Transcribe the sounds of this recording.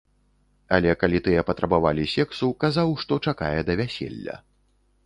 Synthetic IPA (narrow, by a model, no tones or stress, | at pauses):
a̰lʲɛkalʲit̪ɨjɛpɐt̪ɾʔɐbavalʲisʲɛksukazawʂt̪ɔt͡ʂaka̰jɛd̪ɐvʲasʲɛ̰lʲːɐ̰